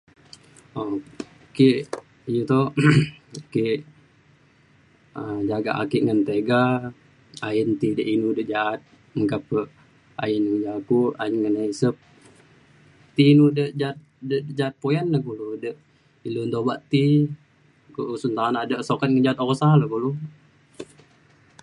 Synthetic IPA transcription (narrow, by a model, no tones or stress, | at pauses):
o | kiʔ | jut̪o | kiʔ | əd͡ʒaɡa̰ʔa̰kiʔŋənt̪eɡa | aənt̪idəʔinudəʔd͡ʒaʔːt̪̚ | məŋkapəʔ | a̰jənŋəd͡ʒakuʔainŋənaisəp̚ | t̪iːnudəʔd͡ʒat̪̚dəd͡ʒaat̪̚pojanːəkuludəʔ | ilunt̪obaʔt̪i | koʔsunt̪aanadəʔsokat̪̚ŋənd͡ʒat̪oɣɔsaləkulu